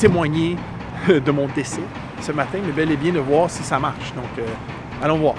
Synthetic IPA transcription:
t̪emwaɲe | d̪əmɔ̃d̪esɛ | səmat̪ɛ̃mɛbɛlɛbjɛ̃d̪əvwɑːʁsisamaʁʃd̪ɔ̃kø | ad̪ɔ̃vwaː

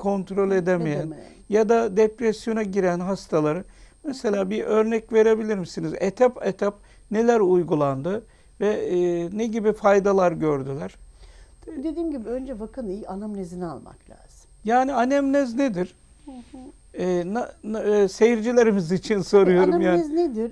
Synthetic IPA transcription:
kʰo̞nt̪ɾo̞lʲe̞d̪emejæn | jad̪ad̪epɾesjo̞naɟiɾænɦast̪ʰalˠaɾɯmeselʲaːbiʔø̞ɾnɛcve̞ɾe̞bilʲiɾmisinizet̪ʰapet̪ʰap̚ | ne̞lʲæɾujɡulˠand̪ɯ | vɛneɟibifajd̪alˠaɾɟøɾd̪ylʲæɾ̥t̪ʰd̪ed̪iːmɟibiønd͡ʒɛvakʰɯnianamnezinia̰lˠma̰klʲa̰ːz̥ɯ̥mjaːnianɛmnɛzned̪iɾ̥ | ɛːnasejiɾd͡ʒilʲeɾimizit͡ʃʰinso̞ɾujo̞ɾumjanned̪iɾ

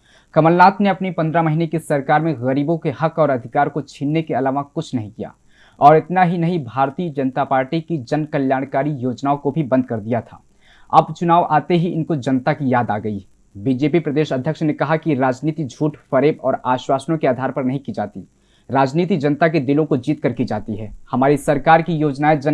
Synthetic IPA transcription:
kɐməlnaːt̪ʰneɐpnipɐ̃nd̪ɾamɐɦinekesɐɾkaːɾmẽɣəɾiːbõkehɐkɔːɾɐd̪ʱɪkaːɾkot͡ʃʰinːekeɐlaːʋakʊt͡ʃʰnɐɦĩkija̰ː | ɔːɾɪt̪naɦinɐɦĩbʱaːɾt̪iːəd͡ʒɐnt̪apaːɾʈikid͡ʒɐnkɐljaːɽ̃kaːɾijoːd͡ʒnaõkobʱibɐ̃nd̪̚ʱkɐɾd̪ijat̪ʰa̰ː | ɐ̰bt͡ʃʊnaːʋʔaːt̪eɦiɪnkod͡ʒɐnt̪akijaːd̪aːɡəi | bid͡ʒeːpipɾɐd̪eːʃəɐd̪ʱjəkʃnekɐɦakiɾaːd͡ʒniːt̪id͡ʒʱuːʈfɐɾeːpɔːɾaːʃwaːsnõkeaːd̪ʱaːɾpɐɾnɐɦĩkid͡ʒa̰ːt̪ḭ | ɾaːd͡ʒniːt̪̬id͡ʒɐnt̪aked̪ɪlõkod͡ʒiːt̪kɐɾkid͡ʒaːt̪iɦɛːhɐmaːɾisɐɾkaːɾkijoːd͡ʒnaed͡ʒɐ

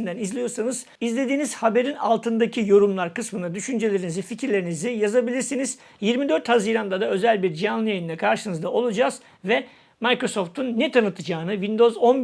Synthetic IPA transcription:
nd̪ænizlʲijo̞ɾsanɯz | izlʲe̞d̪iːniz̥habe̞ɾina̰lˠt̪ʰɯnd̪acʰijo̞ɾumlˠaɾkɯsmɯnad̪yʃynd͡ʒe̞lʲeɾinizificʰɾlʲe̞ɾinizijazabilʲiɾsiniz̥ | jiɾmid̪ø̞ɾt̪haziːɾand̪ad̪aø̞zælʲbiɾd͡ʒijanlˠɯjajɯnd̪ɛkʰaɾʃɯnɯzd̪ao̞lˠud͡ʒaːz̥ | vɛ | majkɾo̞so̞ft̪ʰunːɛt̪ʰanɯt̪ʰɯd͡ʒaːnɯvind̪o̞zo̞n

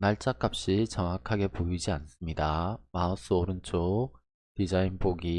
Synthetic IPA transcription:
naɭt͡ɕ͈ak͈ap̚ɕ͈it͡ɕʌŋakʰaɡe̞poid͡ʑians͈ɯmɲidamaʌs͈ɯoɾɯnt͡ɕʰo | tid͡ʑainpoɡi

